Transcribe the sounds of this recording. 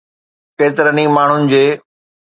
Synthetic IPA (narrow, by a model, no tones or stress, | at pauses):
keːt̪ɪɾənimaːɳ̤ʊnɪ̆d͡ʑeː